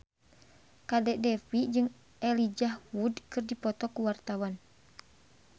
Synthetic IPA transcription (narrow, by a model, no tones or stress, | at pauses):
kadɛʔdɛfid͡ʒɨŋ | ɛlid͡ʒahwudkɨrdipɔt̪ɔkuwart̪awan